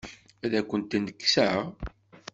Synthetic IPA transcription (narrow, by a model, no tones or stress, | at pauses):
æðækʷːənt̪inəkːsæʁ